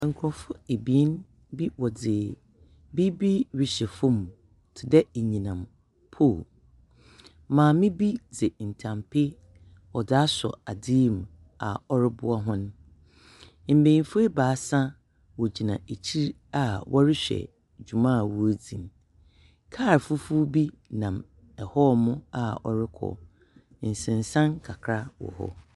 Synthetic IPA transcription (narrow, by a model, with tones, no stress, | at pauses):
ŋ̩˨kʰʊ˨ɔ˨fʊ˦e˨bi˨ɛ˦n | bi˦wɔ˨d͡zɪ˨ | bi˦bi˦ɥɪ˨ɕɛ˨fʊ̃˦m˨ | tʰɪ˨dɛ˦e˨ɲĩ˨nã˨m | pʰo˦˨ | mãː˨mɪ̃˦bi˦d͡zɛ˨n̩˨tʰã˨mpʰɪ˦ | wɔ˨d͡za˦sɔ̰˨a˨diː˦˨m˨ | a̰˨ɔ˦ɾɪ˦bʊ˦ɔ˦ɦʊ̃˦n˦ | m̩˨bẽ˨˦fu˦e˦baː˨˦sã˦ | wɔ˨d͡ʑi˨nã˨e˨t͡ɕʰi˦ɾ | a˨wʔɔ˦ɾɪ˦ɕᶣɛ̰˨ | d͡ʑᶣu˨mã˦˨wu˦e˦d͡zĩ˨m | kʰaː˦˨ɾfʊ˦fu˦bi˦ | nã˨m | ɛ˨hɔ˦mʊ̃˦a˨ɔ˦ɾɪ˦kʰɔ̰˨ | n̩˨sɪ̃˨n˨sã˦nkʰa˨kʰɾa˦wɔ̰˨hɔ̰˦